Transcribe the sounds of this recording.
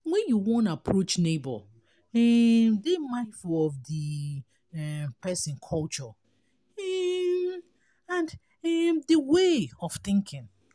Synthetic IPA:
wɛ̃njuwɔ̃ntapʰɹot͡ʃnebɔ̰ | ɛmdemãɪ̃nfuɔvdi | ɛpɛsɪ̃nkʰɔlt͡ʃɔ | ɛm | ãnd | ɛmdəweɔfθɪ̃ŋkʰɪ̃ŋ

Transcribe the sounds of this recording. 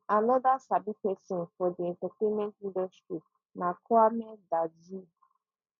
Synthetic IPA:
anɔdasabikesin̩fɔdiɛ̃ntatemɛ̃ntĩndɔstɾi | nakʰɔamɛ̃ndad͡ʒi

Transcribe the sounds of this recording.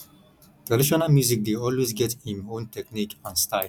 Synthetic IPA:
t̪ɹadiʃonalmjuzik̚d̪eɔlwezɡɛthĩmõntɛknikãnstaɪl

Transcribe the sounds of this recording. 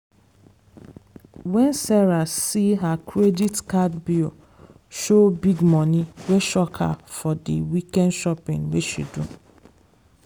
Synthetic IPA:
wɛnsɛɹasiɦakʰɹeditkadbi | ʃobiɡmɔ̃niweʃɔkʰa̰fɔdḭwikɛ̃ndʃɔpĩŋweʃḭdu

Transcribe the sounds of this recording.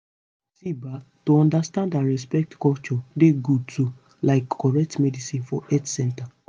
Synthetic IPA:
siba | toɔ̃ndastãndãɹɛspɛk̚tkɔlt͡ʃɔdeɡutu | laɪkːɔɹɛk̚tmɛdisĩnfɔʔɛtsɛ̃nta

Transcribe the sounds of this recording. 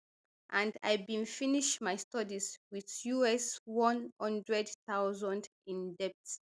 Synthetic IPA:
ʔãnda̰jbĩnfiniʃmajstɔdizwiðjuɛswɔ̃nhʌ̃ndɹɛdθaʊzɔ̃nd | ĩndɛp̚ts

